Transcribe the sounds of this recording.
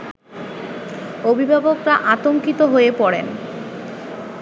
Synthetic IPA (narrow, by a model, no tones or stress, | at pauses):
obʱibʱabokɾaʔat̪oŋkit̪oɦoepɔɽḛn